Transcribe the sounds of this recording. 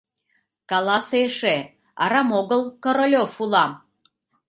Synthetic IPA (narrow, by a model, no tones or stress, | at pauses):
kɑlˠɑseʃe | ɑ̰ɾɑmoɣəlˠkoɾolʲofulɑm